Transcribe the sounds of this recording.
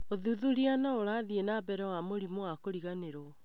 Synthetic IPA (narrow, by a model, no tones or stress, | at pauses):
oðuðuɾianaoɾaðienabɛɾɛwamoɾimowakoɾiɣaneɾɔ